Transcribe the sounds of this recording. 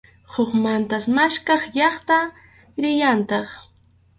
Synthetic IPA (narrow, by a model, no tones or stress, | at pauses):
hoχmant̪asmaʃkɑχʎɑχt̪a | ɾɪjant̪ɑχ